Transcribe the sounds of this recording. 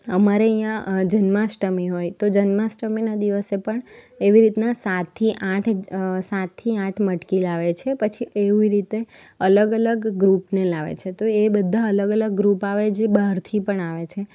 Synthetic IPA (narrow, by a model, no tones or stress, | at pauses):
əmaɾeəjãd͡ʒənmãsʈəmiɦojt̪od͡ʒənmãsʈəminad̪iʋəsepəɳ | eʋiɾit̪nasat̪ʰːiʔãʈʰsat̪ʰːiãʈʰməʈkilaʋet͡ʃʰepət͡ʃʰieʋiɾit̪e | ələɡələɡːɾupnelaʋḛt͡ʃʰet̪oebəd̪ʱːaələɡələɡːɾupaʋed͡ʒebaɾt̪ʰipəɳaʋet͡ʃʰe